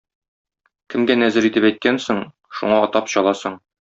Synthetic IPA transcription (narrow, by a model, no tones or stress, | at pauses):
kɘ̆mɡænæzɘɾit̪ɘpæjt̪̚kænsɤɴ | ʃṵɴɑɒt̪ɑpɕɒlˠɑsɤɴ